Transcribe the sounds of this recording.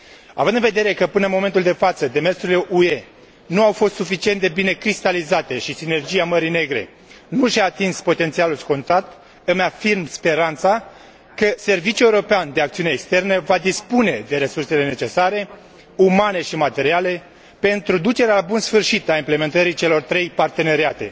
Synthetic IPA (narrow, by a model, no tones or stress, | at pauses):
a̰vɨnd̪ɨnve̞d̪e̞ɾe̞kəpɨnəmo̞me̞nt̪uld̪e̞fat̪səd̪e̞me̞rsuɾile̞ʔue̞ | nuawfo̞st̪sufit͡ʃiet̪d̪e̞bine̞kɾist̪alizat̪e̞ʃisine̞rd͡ʒijaməɾine̞ɡɾe̞̰ | nuʃaːt̪inspo̞t̪ent̪sialulsko̞nt̪at̪ | ɨmafirmspe̞ɾant̪sa | kəse̞rvit͡ʃjue̞uɾo̞peand̪eakt̪siuneːkst̪e̞rnəvad̪ispune̞d̪e̞ɾe̞surse̞le̞ne̞t͡ʃe̞saɾe̞ | umane̞ʃimat̪e̞ɾiale̞ | pe̞nt̪ɾud̪ut͡ʃe̞ɾealabunsfɨrʃit̪aimple̞me̞nt̪əɾit͡ʃe̞lo̞rt̪ɾe̞jpart̪e̞ne̞ɾiat̪e̞̰